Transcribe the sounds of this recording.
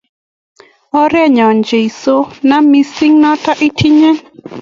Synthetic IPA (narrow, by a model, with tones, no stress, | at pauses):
ɔ˦ɾɛ˦˨ɲɔ˨nd͡ʒe˨i˨so˦na˦mi˦si˦ŋnɔ˦ta˦ʔi˦tʰi˦ɲɛ˦